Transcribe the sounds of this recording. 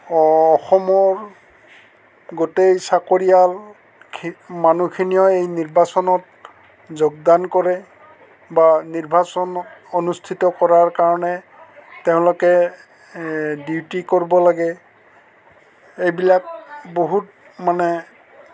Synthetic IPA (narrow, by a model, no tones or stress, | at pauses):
xɔmɔɹ | ɡotejsakoɹijal | kʰmanukʰinijɔejniɹbasɔnɔt | zoɡ̚dankɔɹɛ | baniɹbʱasɔnɔtonustʰitɔkɔɹaɹkaɹɔnɛ | teʊ̃lokɛ | diwtikoɹibɔlaɡɛ | ejbilak̚boɦut̚ | manɛ